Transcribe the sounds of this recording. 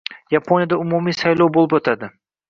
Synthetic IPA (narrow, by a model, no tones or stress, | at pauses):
japʰonjad̪aʊmumijsajlˠowbolˠɪpot̪ʰad̪ɪ